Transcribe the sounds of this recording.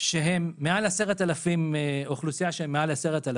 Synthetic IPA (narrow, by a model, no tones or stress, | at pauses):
ʃeɦemːealaseʁet̪alafimeoχlusijaʃeemːealaseʁet̪ala